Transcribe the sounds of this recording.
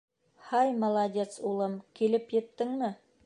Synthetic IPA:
hɑjmɐlˠadʲet̪sulˠɤmkilɘpjɘ̆t̪ːɘŋmɘ

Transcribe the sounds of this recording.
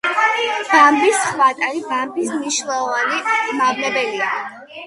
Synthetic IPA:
b̥ambisχwat̪ʼaɾibambismniʃnɛlˠɔvanimavlɛbɛlia

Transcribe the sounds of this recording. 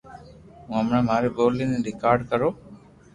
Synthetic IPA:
ɦũːəmɳaːmaːɾeːɓoːliːnẽːɾɪkaːɾɖkəɾoː

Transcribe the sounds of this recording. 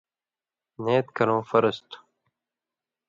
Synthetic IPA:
neːt̪kɐlõːfəɾəst̪u̥

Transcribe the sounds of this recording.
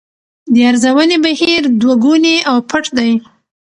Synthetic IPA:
d̪əaɾzawənebahiɾd̪waɡuneawpʰəʈd̪aj

